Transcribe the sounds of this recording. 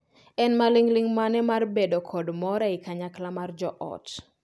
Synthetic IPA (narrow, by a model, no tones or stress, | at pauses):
ɛnmaliŋliŋmanɛmarbedokʰɔdmɔɾaɪkaɲaklamard͡ʒɔʔɔ̰t